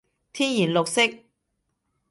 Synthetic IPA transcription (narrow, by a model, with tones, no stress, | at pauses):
t̪ʰiː˥njiː˨˩nlʊ˨k̚sɪ˥k̚